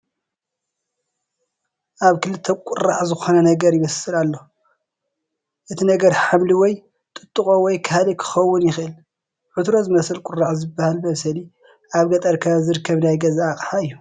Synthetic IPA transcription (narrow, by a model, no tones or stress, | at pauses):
ʔaβkʰɨlɨt̪ʰːɐkʷʼʊrːaʕzɨxo̞nɐnɐɡɐɾjɪmɐsɨlalːo | ʔɨt̪ʰinɐɡɐɾħamliwɔj | t̪ʼɨt̪ʼːɨkʼowɔjkʰalikʰɨ̥xɐwːʊnjɪxʔɨl | ʕʊt̪ɾo̞zɨmɐsɐlkʷʼʊrːaʕzɨbːahalmɐsɐli | ʔaβɡɐt̪ʼɐɾkʰazɨɾkʰːɐβnajɡɐzaːkʼħaɨjːu